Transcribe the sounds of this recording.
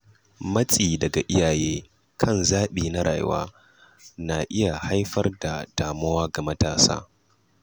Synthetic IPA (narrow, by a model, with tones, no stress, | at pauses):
mɐ˦t͡sʼiː˨dɐ˨ɡa˨ʔɪ˦jaː˨jeː˦ | kʰɐ˦˨nzaː˦ɓiː˨na˦ɽa̰˨jwa̰ː˦ | na˨ʔɪ˦ja˨ha˦jɸɐ˦rda˨d̥aː˨mɐ˦waː˦ɡa˨mɐ˦taː˨sa̰ː˦